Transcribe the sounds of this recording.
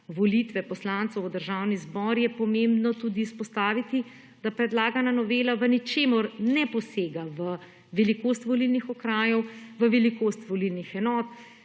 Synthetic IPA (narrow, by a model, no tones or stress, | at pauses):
ʋɔlit̪ʋɛpɔslant̪sɔwd̪əɾʒaːwnizbɔːɾjɛpɔmembnɔt̪uːd̪iːspɔst̪aːʋit̪i | d̪̥apɾɛd̪laːɡananɔʋeːlaʋənit͡ʃeːmɔɾnɛpɔseːɡaʋə | ʋɛlikoːst̪ʋɔlilnixɔkɾaːjɔwʋəʋɛlikoːst̪ʋɔlilnixɛnɔːt̪